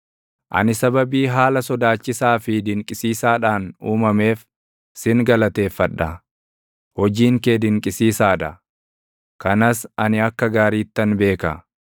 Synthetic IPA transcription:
ʔɐ̰nɪsɐbɐbiːɦaːlɐsɔd̪aːt͡ʃːɪsaːfɪd̪ɪŋkʼɪsiːsaːᶑaːnuːmɐme̞ːf | sɪŋɡɐlɐt̪e̞ːfːɐᶑːɐ | hɔd͡ʒiːŋke̞ːd̪ɪŋkʼɪsiːsaːᶑ̪ɐ | kɐnɐsɐnɪɐkːɐɡaːɾiːt̪ːɐnbe̞ːkɐ

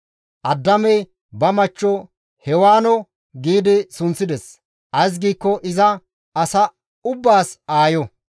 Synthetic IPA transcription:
ʔɐd̪ːɐmɛj | bɐmɐt͡ʃːɔ | hɛwaːnɔ | ɡiːd̪ɪsʊnsɪd̪ɛs | ʔɐjs̬ɡiːkːɔʔɪzɐ | ɐsɐ | ʊbːaːsaːjɔ

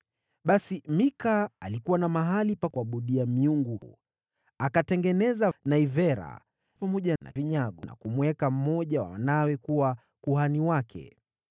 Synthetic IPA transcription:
ɓasimikaːlikuwanamaɦalipakuaɓuɗiamiuŋɡu | akatɛŋɡɛnɛzanaivɛɾa̰ | pamɔʄana̰viɲaɠɔna̰kumwɛkam̩mɔʄawa̰wa̰nawɛkuwa | kuhaniwakʰɛ̰

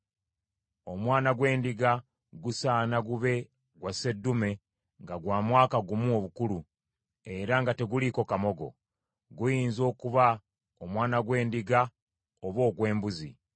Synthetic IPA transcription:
o̞mwaːnaɡwe̞ːndiɡa | ɡusaːnaɡuβe̞ | ɡwase̞dːume̞ | ŋɡaɡwaːmwaːkaɡumuoβukulu | e̞ɾaŋɡate̞ɡuliko̞kamo̞ɡo̞̰ | ɡujiːnzo̞ːkuβa | omwaːnaɡwe̞ːndiɡa | oβo̞ːɡwe̞ːmbuzi

